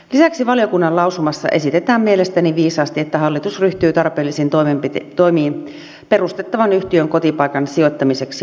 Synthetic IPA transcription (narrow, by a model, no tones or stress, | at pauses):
lisæksiʋɑljokunːɑlɑusumɑsːɑ̰ʔesit̪et̪æːmmielest̪æniʋiːsɑːst̪iet̪ːæhɑlːit̪usryht̪yːt̪ɑrpeːlːisint̪omemp̪t̪oimiːn | perust̪et̪ːɑʋɑnyht̪iøŋkot̪ipɑikɑnsiot̪ːɑmiseksi